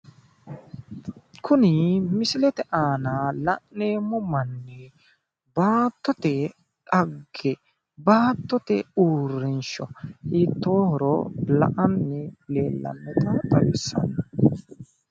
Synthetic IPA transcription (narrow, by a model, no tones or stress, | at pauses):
kʰʊnɪmɪsɪlɛt̪ɛʔaːnalɐʔne̞ːmːɔmɐnːɛ | baːt̪ːɔt̪ɛ | ᶑɐɡːɛ | baːt̪ːɔt̪ɛuːrːɪnʃɔiːt̪ːoːhɔɾɔ̰lɐ̰ʔɐnːɪleːlːɐ̰nːɛt̪ɐt̪ʼɐwɪ̰sːɐ̰nːɐ